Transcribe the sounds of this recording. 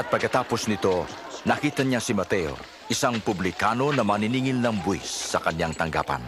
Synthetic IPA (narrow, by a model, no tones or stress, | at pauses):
ʔɐt̪̚pɐɡkɐt̪aːposnɪt̪o̞ | nɐkiːt̪ɐɲasɪmɐt̪ɛo̰ | ʔɪsaŋpʊblɪkaːno̞nɐmɐnɪniːŋɪlnɐŋbʊḭsːɐkɐɲjaŋt̪ɐŋɡa̰ːpɐ̰n